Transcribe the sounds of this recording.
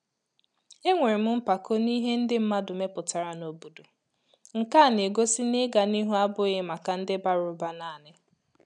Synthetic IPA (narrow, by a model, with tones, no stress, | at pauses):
e˦ŋʷe˨ɾɪ˨m̩˦m̩˦pa˨kʰo˦ni˦ɦe˦n̩˦dɪ˦m̩˦ma˦dʊ˨me˦pʊ˨ta˨ɾa˨no˦bu˨du˨ | ŋ̩˨ka˦˨ne˨ɡo˦si˦nɪ˦ɡa˨ni˦ɦu˦a˦bʊ˦ɣɪ˦ma˨ka˨n̩˦dɪ˦ba˦ɾʊ˨˦ba˦na˦˨nɪ˦